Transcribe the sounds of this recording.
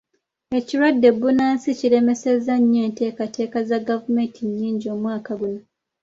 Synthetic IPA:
e̞ciɾwadːe̞bːunaːnsicile̞me̞sezaɲːe̞ːnte̞ːkate̞ːkazaɡavumentʰiɲːiːɲɟio̞ːmwaːkaɡuna

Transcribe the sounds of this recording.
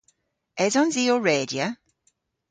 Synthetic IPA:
ɛzɔnziːoɹeːdiə

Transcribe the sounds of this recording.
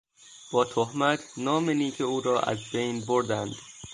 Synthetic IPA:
b̥ɒːt̪ʰohmæt̪ʰnɒːmeniːcʰeuːɾɒːʔæ̰zbe̞jnboɾd̪ænd̪̥

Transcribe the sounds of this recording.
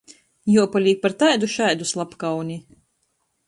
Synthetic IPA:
juɔpalʲiːk̚paɾt̪ajd̪uʃajd̪uslˠapkawnʲi

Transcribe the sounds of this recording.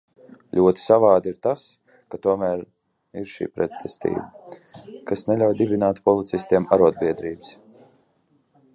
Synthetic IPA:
lʲʔuɔt̪i̥savaːd̪iɾt̪as | kat̪uɔmæːɾ | iɾʃḭːpɾɛt̪ʰːɛst̪ḭːbə | kasnɛlʲawjd̪ibinaːt̪pɔlˠit̪sist̪iɛmaɾuɔd̪̚biɛd̪ɾiːbs

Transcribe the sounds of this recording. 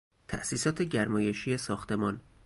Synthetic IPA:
t̪ʰæ̰ʔsiːsɒːt̪ʰeɟæɾmɒːje̞ʃiːesɒːxt̪ʰe̞mɒːn

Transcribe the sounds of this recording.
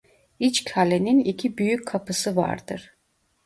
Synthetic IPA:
it͡ʃcʰalʲeninicʰibyjycʲkʰːapʰɯsɯva̰ɾd̪ɯ̰ɾ̥

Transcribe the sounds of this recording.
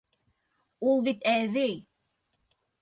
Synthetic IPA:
ulˠβit̪æðɘj

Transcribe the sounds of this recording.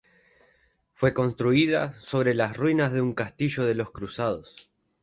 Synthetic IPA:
fwe̞ko̞nst̪ɾuiða̰so̞βɾe̞lasrwinazðeuŋkast̪iʒo̞ðe̞lo̞skɾusað̞o̞s

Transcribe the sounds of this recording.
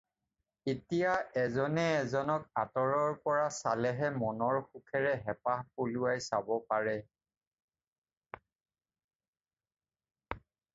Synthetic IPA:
etijaɛzɔnɛːzɔnɔkatɔɹɔɹpɔɹasalɛɦɛmɔnɔɹxukʰɛɹɛɦɛpahpoluajsabɔpaɹɛ

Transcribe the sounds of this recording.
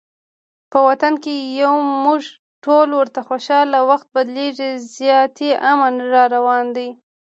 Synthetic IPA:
pəwat̪ankejawmuʐ | ʈolwəɾt̪axoʃɑlawaxt̪̚bad̪leʐizjɑt̪eʔamanɾɑɾawɑnd̪aj

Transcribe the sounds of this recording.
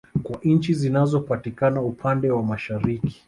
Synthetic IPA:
kwaɲ̩t͡ʃizinazɔpatikanaupʰandɛwamaʃaɾiki̥

